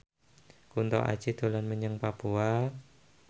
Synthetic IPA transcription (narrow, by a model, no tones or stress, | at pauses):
kunt̪ɔ̰ʔa̰̥t͡ʃid̪̥o̤lanməɲəŋpapua